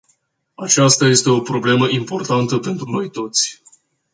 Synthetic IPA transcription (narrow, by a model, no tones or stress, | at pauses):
at͡ʃast̪aje̞st̪e̞o̞pɾo̞ble̞məʔimpo̞rt̪ant̪əpe̞nt̪ɾuno̞jt̪o̞t̪sʲ